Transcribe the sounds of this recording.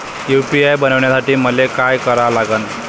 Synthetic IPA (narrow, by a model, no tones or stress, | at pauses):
jupiajbənəʋɳjasaʈiːməlekajkəɾalaɡən